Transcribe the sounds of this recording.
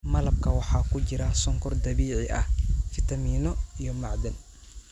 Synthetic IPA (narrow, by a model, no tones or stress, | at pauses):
mɐlɐb̚kʰɐwɑħɑːkʰʊt͡ʃɪɾɐsɔŋkʰʊrd̪ɐβiːʕɪʔɐ̰hfɪt̪ʰɐmiːnɔijɔmɑʕd̪ɐn